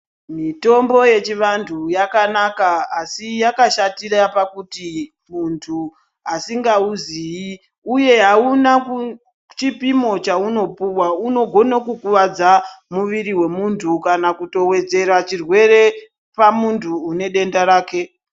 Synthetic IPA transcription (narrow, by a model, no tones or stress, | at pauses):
mito̞mbo̞je̞t͡ʃiʋantʰujakanakaasijakaʃatirapakuti | muntʰu | ɦasiŋɡauziji | uje̞ɦauna | t͡ʃipimo̞t͡ʃauno̞puwauno̞ɡʱo̞nokukuʋad͡zamuʋiɾiwe̞muntʰukanakuto̞we̞d͡ze̞rat͡ʃirwe̞re̞ | pamuntʰuːne̞ɗe̞ndaɾaːke̞